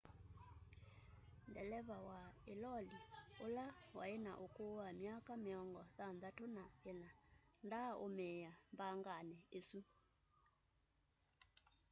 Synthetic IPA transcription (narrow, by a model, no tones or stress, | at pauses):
ndɛlɛβawaelɔliolawa̰ena̰ʔokowamjakamɪɔŋɡɔðanðatonaenandaomɛjambaŋɡanɛesu